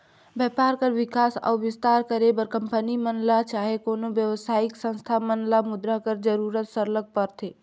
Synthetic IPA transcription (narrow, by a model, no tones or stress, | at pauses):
bjɛpaɾkəɾʋɪkasa̰ːʋɪst̪aɾkəɾebəɾkəmpənimənlat͡ʃaɦekoːnoʋjəwəsaɪksə̃nst̪ʰamənlamʊd̪ɾakəɾd͡ʒəɾuɾət̪səɾlək̚pəɾt̪e